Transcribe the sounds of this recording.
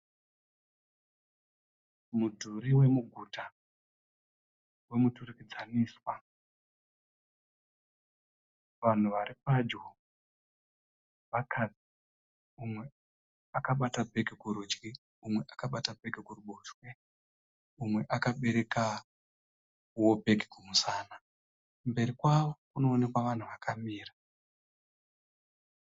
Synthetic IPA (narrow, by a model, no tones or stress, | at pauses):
mudʱuɾiwe̞muɡʱuta | we̞muturikid͡zaniːswa | ʋan̤uʋaɾipad͡ʒo | ʋakʰad͡zi̥ | umwe̞ | akaɓatabʱe̞ɡʱikuɾud͡ʒɡi | umwe̞ʔakaɓatabʱe̞ɡʱikuruɓoːt͡ʃwe | umwe̞ʔakaɓe̞ɾe̞ka | wobʱe̞ɡʱikumusaːna | mbe̞ɾikwaʋo̞kuno̞ːnekwaʋan̤uʋakʰamiːra